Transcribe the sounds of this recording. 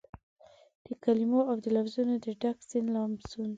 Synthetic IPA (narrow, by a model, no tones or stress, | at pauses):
d̪̥əkalimoawd̪əlafzunod̪əɖaksɪnlɑmsun